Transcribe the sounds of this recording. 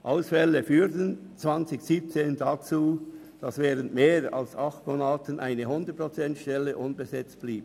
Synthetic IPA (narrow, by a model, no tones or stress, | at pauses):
ʔaʊsfɛləfyːʁtən | t͡sv̥ɑnt͡sɪçsiːp̚t͡seːndat͡suː | d̥ɑsvɛːʁəntmeːɹɑ̰lsɑχtmoːnaːtənʔaɪnəɦʊndət̚pʁot͡sɛntʃtɛlːəʔʊnbəzɛt͡st̚b̥liːb